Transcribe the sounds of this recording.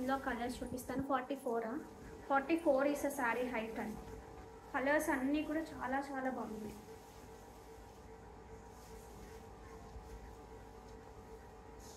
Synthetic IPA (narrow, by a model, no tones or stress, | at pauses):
nloːkɐlɐɾst͡ʃuːpist̪aːnupaːɾʈiːfoːɾa | pʰɔːɾʈiːfoːɾiːsɐsaːɾiɦɐjʈɐn | kɐlɐɾsɐnːiːkuːɽaːt͡ʃaːlaːt͡ʃaːlaːbɐmunɐ